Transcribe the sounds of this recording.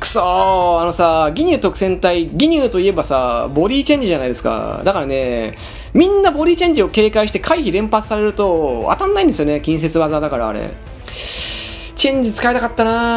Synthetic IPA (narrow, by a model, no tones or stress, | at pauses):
soːano̞saɡʲiɲ̟ʲɨːt̪o̞kɯ̟sẽ̞nt̪aiɡʲiɲ̟ʲɨːt̪o̞ie̞basabo̞ɾʲiːt͡ɕẽ̞ɲ̟d͡ʑiʑanaid̪esɨ̥ka̰d̪akaɾane̞ | mʲĩnːabo̞ɾʲiːt͡ɕẽ̞ɲ̟d͡ʑio̞ke̞ːkaiɕi̥t̪e̞kʰaiçiɾẽ̞mpat͡sɨ̥saɾe̞ɾɯ̟t̪o̞a̰t̪ãnːaĩnd̪esɨjone̞kʲĩɰ̃s̬e̞t͡sɨβazaːd̪akaɾa̰ːɾḛ | t͡ɕẽ̞ɲ̟d͡ʑit͡sɨ̥kaet̪akat̪ːana